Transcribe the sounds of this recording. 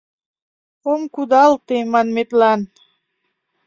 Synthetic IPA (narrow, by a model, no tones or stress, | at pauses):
omkud̪ɑlt̪emɑnmet̪lɑn